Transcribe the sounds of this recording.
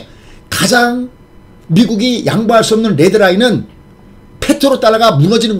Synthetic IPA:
kad͡ʑaŋ | miɡuɡijʔa̰ŋbaɦaɭs͈uʌmnɯnɾe̞dɯɾainɯn | pʰe̞tʰoɾot͈aɭːaɡamuŋʌd͡ʑinɯn

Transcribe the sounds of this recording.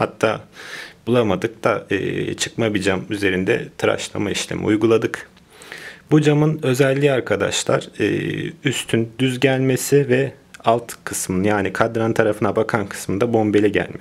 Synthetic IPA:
hat̪ʰːaːb̥ulˠamad̪ɯk̚d̪aɯ̰ːt͡ʃʰɯ̥kmabid͡ʒamyze̞ɾind̪ɛ̰t̪ʰɯɾa̰ʃlˠa̰maiʃlʲḛmḭujɡulˠad̪ɯk | bud͡ʒamɯnø̞zɛlʲːiaɾkʰad̪a̰ʃlˠa̰ɾ̥ɯ̰ːyst̪ʰynd̪yzɟælʲme̞sɪvɛalˠt̪kʰɯsmɯnjaːnikʰad̪ɾant̪ʰaɾafɯnabakʰankʰɯ̥smɯnd̪abo̞mbe̞lʲɛɟæ̰lʲmɛ

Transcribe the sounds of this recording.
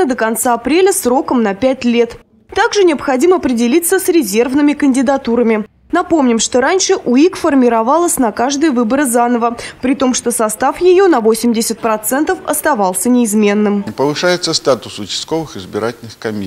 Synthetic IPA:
əd̪əkɐnt̪saɐpɾʲelʲəsro̞kəmnɐpʲætʲlʲe̞t̪ | t̪aɡʐɨnʲɪəpxɐdʲiməɐpɾʲɪdʲɪlʲit̪səsɾʲɪzʲe̞rvnɨmʲɪkənʲdʲɪd̪ɐt̪uɾəmʲɪ | nɐpo̞mnʲɪmʂt̪o̞ɾanʲʂɨʔʊikfərmʲɪɾɐvɑlˠəsʲnɐkaʐd̪ɨjəvɨbəɾɨzanəvəpɾʲɪt̪o̞mʂt̪o̞sɐst̪afjɪjo̞nɐvosʲɪmdʲɪsʲɪt̪̚pɾɐt̪sɛnt̪əfɐ̰st̪ɐvɑlˠsʲənʲɪːzmʲe̞nːɨmpəvɨʂajɪt̪səst̪at̪ʊsʊt͡ʃɪ̥st̪̚ko̞vɨxɨzbʲɪɾatʲɪlʲnɨxkɐmʲi

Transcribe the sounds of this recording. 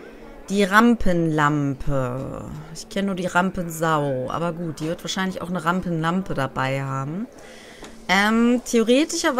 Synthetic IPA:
d̥iːʁampʰənlampʰə̰ | ɪçkʰɛnənuːɐdiːʁampənzaʊʔa̰ːbɐɡuːt̚d̥iːvɪɐtv̥aːɐʃaɪnlɪça̰ʊxnəʁampənlampədabaɪhaːbm̩ | ʔɛːmtʰeoʁ̞eːtɪʃɐv

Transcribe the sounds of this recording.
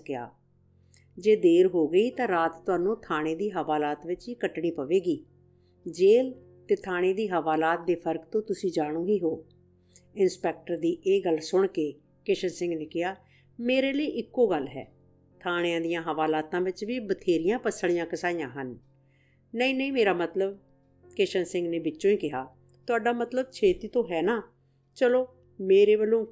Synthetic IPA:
kɪja̰ː | d͡ʒeːd̪eːɾɦoːɡəiːt̪ãːɾaːt̪t̪ːʊaːnõːt̪ʰaːɽ̃eːd̪iːɦəʋaːlaːt̪ʋɪt͡ʃiːkəʈɳiːpəʋeːɡiː | d͡ʒeːl | t̪eːt̪ʰaːɽ̃eːd̪iːɦəʋaːlaːt̪̚d̪eːpʰəɾkt̪õːt̪ʊsĩːd͡ʒaːɽ̃ũːɦiːɦoː | ɪnspɛːk̚ʈəɾd̪iːʔeːɡəlsʊɳkeː | kɪʃənsɪ̃ŋɡnɪkʰɪjaː | meːɾeːləiːʔɪkːoːɡəlːɦɛ̰ː | t̪ʰaːɽ̃eãːd̪ɪjãːɦəʋaːlaːt̪ãːʋɪt͡ʃʋiːbət̪ʰeːɾɪjãːpəsəɽ̃ɪjãːkəsaːijãːɦənː | əĩːnəĩːmeːɾaːmət̪ləb | kɪʃənsɪ̃ŋɡneːbɪt͡ʃːʃõːiːkɪɦaː | t̪ʊaːɖaːmət̪ləb̚t͡ʃʰeːt̪iːt̪õːɦɛːnaː | t͡ʃəloː | meːɾeːbəlõː

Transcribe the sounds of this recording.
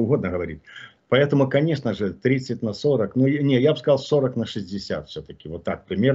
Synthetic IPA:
ʊɣo̞d̪nəɣəvɐɾʲḭt̚ʲ | pɐɛt̪əmʊkɐnʲeʂnəʐɨt̪ɾʲit̪sɨtʲnɐsoɾəknujnʲejabɨskɐzɑlˠsoɾəknɐʂɨzʲdʲɪsʲa̰t̪fsʲot̪əkʲɪvot̪ːak̚pɾʲɪmʲe

